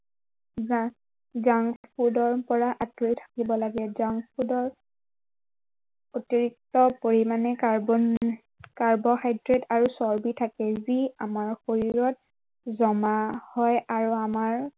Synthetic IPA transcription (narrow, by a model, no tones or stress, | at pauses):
zaŋpʰudɔɹpɔɹaʔatɹitʰḁkibɔlaɡɛzaŋpudɔɹ | otiɹik̚tɔpoɹimanɛka | kaɹbɔxajdɹetʰaɹusɔɹbitʰakɛziamaɹxoɹiɹɔt̚ | zɔmahɔjaɹuamaɹ